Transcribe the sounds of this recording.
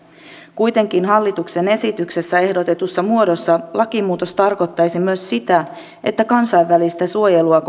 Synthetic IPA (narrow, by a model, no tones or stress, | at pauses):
kujt̪e̞ŋk̟inɦɑlːit̪ukse̞ne̞sit̪ykse̞sːæe̞hdo̞t̪e̞t̪usːɑmuo̞do̞sːɑlʔɑkimuːt̪ost̪ɑrko̞t̪ːɑjsimyøssit̪æ | ʔe̞t̪ːækɑnsɑjʋʋælist̪æsuo̞je̞luɑk